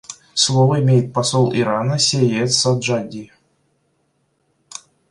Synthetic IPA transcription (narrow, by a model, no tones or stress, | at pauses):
slˠovəimʲejɪt̪̚pasolˠʔiɾɑnəsʲejet̪sad̪ʐad̪ʲi